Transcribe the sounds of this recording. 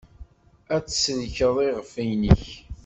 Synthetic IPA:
æt͡sːsðçəðˤiʁəfæjnəç

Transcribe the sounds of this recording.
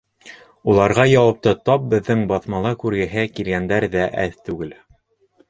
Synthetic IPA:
ulˠɑɾʁɑjɑwɑp̚t̪ɤt̪ɑp̚bɘ̆ðːɘŋbɑθmɑlˠɑkʉɾɡɘ̆ɦækilɡænd̪æɾðæʔæθt̪ʉɡɘl

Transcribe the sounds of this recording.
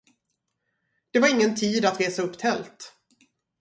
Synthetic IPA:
d̪̥ɛvaɾɪŋːənt̪ʰiːd̪at̪ɾeːsaɵpːt̪ʰɛlt̪

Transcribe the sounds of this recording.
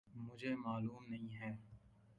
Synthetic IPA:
mʊd͡ʒʱemaːluːmnɐɦĩɦɛː

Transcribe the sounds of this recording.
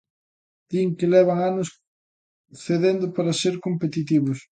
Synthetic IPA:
d̪̥iŋkelɛβ̞ɐŋanʊs | θeðend̪ʊpaɾɐseɾkompet̪it̪̬iβʊs

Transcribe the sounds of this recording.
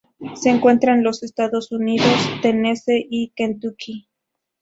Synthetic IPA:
seːŋkwe̞nt̪ɾaenlosest̪aðosuniðost̪eneseʔikend̪ukʰi

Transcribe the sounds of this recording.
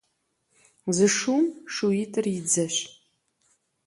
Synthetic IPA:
zɨʂumʂuitʰʼɨrid͡zɐɕ

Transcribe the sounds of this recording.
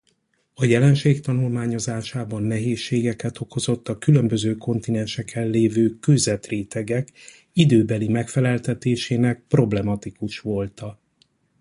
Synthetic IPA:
ɒjɛlɛnʃeːkt̪ɒnulmaːɲo̞zaːʃaːbɒnːɛɦeːʃːeːɡɛkɛt̪o̞ko̞zo̞t̪ːɒkylø̞mbø̞zøːko̞nt̪inɛnʃɛkʰːɛlːeːvøːkøzɛt̪reːt̪ɛɡɛk | id̪øːbɛlimɛkfɛlɛlt̪ɛt̪eːʃeːnɛk̚pro̞blɛmɒt̪ikuʃʋo̞lt̪ɒ

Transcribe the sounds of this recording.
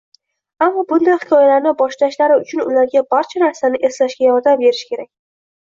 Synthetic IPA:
amːɒbʊnd̪ajhɪkʰɒjalaɾnɪbɒʃlaʃlaɾɪʊt͡ʃʰʊnʊlaɾɡʲabaɾt͡ʃʰanaɾsanɪʔe̞slaʃɡʲajɒɾd̪ambe̞ɾɪʃkʲʰe̞ɾak̚ʲ

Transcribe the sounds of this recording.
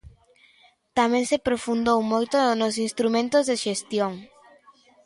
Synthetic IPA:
t̪amẽŋsepɾofund̪owmojt̪onos̬inst̪ɾumẽnt̪ozðeʃest̪joŋ

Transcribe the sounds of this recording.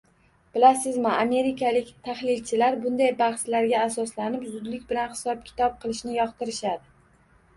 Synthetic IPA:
b̥ɪlasɪzmɪame̞ɾɪkʰalɪkʲt̪ʰaχlɪlt͡ʃʰɪlaɾbʊnd̪ajbaχslaɾɡʲaːsɒslanɪpzʊd̪lɪkʲbɪlanχɪ̥sɒp̚kʲʰɪ̥t̪ʰɒp̚qʰɨlˠɪʃnɪjɒqt̪ɪɾɪʃad̪ɪ

